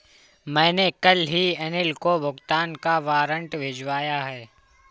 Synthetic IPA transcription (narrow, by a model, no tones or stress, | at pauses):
mɛ̃ːnekɐlɦiɛnɪlkobʱʊɡt̪aːnkaʋaːɾə̃ɳʈʋʱɪd͡ʒʋaːjaɦɛː